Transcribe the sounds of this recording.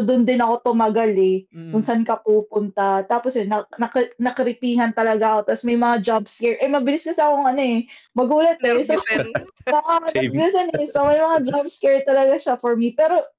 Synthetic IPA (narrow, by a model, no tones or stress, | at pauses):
d̪ʊnd̪ɪnɐko̞t̪ʊmaɡalɛkʊnsɐnkɐpuːpʊnt̪at̪aːposɛnɐnɐknɐkɪɾɪpiːɦɐnt̪ɐlɐɡaʔɐko̞t̪ɐsmɐjmɐŋad͡ʒabskɛɹʔɛmɐbɪlɪskɐsɐkoŋɐno̞ʔɛmɐɡuːlɐt̪̚ɛsosɐaɐnɐbɪlɪsɐnɛsomɐjmɐŋad͡ʒabskɛɹt̪ɐlɐɡaʃafoɹmipɛːɾo̞